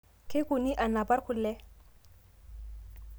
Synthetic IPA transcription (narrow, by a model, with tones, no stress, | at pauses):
kɪ˦kʼʊ˨ni˦ʔa˨na˨pa˦rkʰʊ˨lːɛ˦